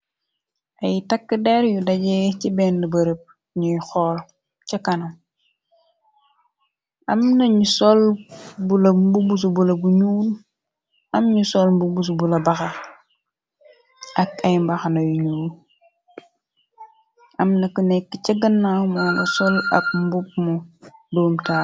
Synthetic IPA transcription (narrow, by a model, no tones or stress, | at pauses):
ʔɐjtakːədɛɾjudɐɟɛcibɛndəbɐɾəp̚ | ɲujxɔːl | cɐkɐnɐm | ʔɐmnɐɲusɔlbulɐmbubus̬ubulɐbuɲuːl | ɐmɲusɔlmbubus̬ubulɐbɐxɐ | ʔɐkɐjmbɐxanɐjuɲuːl | ʔɐmnɐkənɛkːəcɐɡənːawmɔːnɐsɔlɐ̰p̚mbup̚mudoːmtaː